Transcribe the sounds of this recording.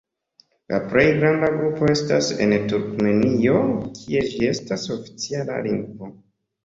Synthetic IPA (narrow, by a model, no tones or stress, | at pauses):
lʔa̰pɾe̞jɡɾandaɡɾupo̞e̞stase̞̰ntuɾkme̞nio̞kʰie̞d͡ʒie̞staso̞fi̥t͡siala̰liŋɡvo̞